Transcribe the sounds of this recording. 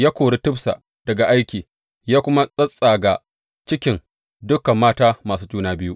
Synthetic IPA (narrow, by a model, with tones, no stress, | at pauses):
jaː˦kʷoː˨ɽe˦tʊ˦bsa̰˨ʔ | d̥ɐ˨ɡa˨ʔa˦jkʲiː˨ | jaː˦kʷʊ˦ma˦sʼɐ˦sʼa˨ɡa˨ | t͡ʃɪ˦kʲɪ˨n | dʊ˦kɐ˨mːaː˦taː˦maː˨suː˦d͡ʒuː˦naː˦bɪ˦ju˦ʔ